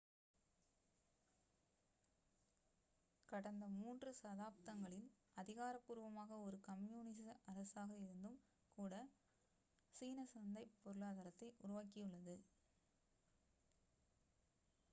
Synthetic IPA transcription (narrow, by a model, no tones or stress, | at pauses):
kɐɽɐnd̪ɐmuːndrɯsɐðaːp̚t̪ɐŋɡɐɭɪn | ɐðɪɣaːɾɐpːuɾʊʋɐmaːɣɐɔɾɯkɐmjuːnɪs̬ɐɐɾɐsaːɣɐɪɾɯnd̪ɯm | kuːɽɐ | siːnɐsɐnd̪ɐɪpːɔɾɯɭaːðɐɾɐt̪ːɐɪʔʊɾʊʋaːk̬ɪjɯɭːɐðɯ